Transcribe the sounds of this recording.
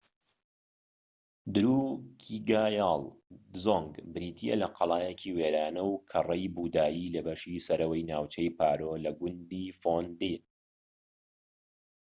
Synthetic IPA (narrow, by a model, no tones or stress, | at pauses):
d̪ɨɾuːkʰiɡaːjaːlˠzoŋɡbɨɾiːt̪ʰijḛlɐqʰɑlˠaːjecʰiweɾaːnɐwkʰɐrˤɐjbuːd̪aːjilɐbɐʃisɐɾɐwɐjnaːwt͡ʃɐjpʰaːɾolɐɡʷʊnd̪ifond̪i